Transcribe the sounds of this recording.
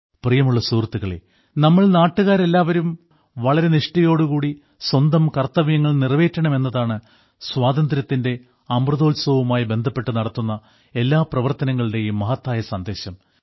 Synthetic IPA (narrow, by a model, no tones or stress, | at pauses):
prijɐmuɭːɐsuːrt̪ːuɣɐɭḛ | nɐmːɐɭnaːʈːuɣaːɾe̞lːaːʋɐɾum | ʋɐɭɐɾe̞niʂʈɐjo̞ːɽukuːɽi | swɐnd̪ɐmkɐrt̪ːɐʋjɐŋːɐɭnirʋe̞ːtːɐɳɐme̞nːɐðaːɳɨ | swaːd̪ɐnd̪ɾɐt̪ːinde̞ | ɐmrɨðo̞ːlswɐʋumaːjibe̞nd̪ʱɐpːe̞ʈːɨnɐɽɐt̪ːunːɐ | e̞lːaːprɐʋɐrt̪ɐnɐŋːɐɭiɽe̞jumːɐɦɐt̪ːaːjɐsɐnd̪e̞ːɕɐm